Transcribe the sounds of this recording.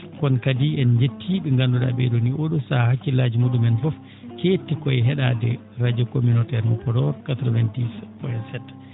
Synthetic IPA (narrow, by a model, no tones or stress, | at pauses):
kɔnkadiɛnd͡ʒetʰːiɓɛŋɡanduɗa̰ɓɛ̰ɗoniʔoɗɔsahakːilad͡ʒimudumɛnfɔf | ketːikɔɛɦɛɗadɛ | ɾad͡ʒɔkominɔtɛɾmɔpɔɾɔɾkatɾɔvɛndispɔɛsɛt